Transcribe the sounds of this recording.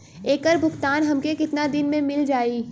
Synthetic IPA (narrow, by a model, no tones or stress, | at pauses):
eːkəɾbʱʊkt̪aːnɦɐmkekɪt̪nad̪ɪnmẽmɪld͡ʒaːiː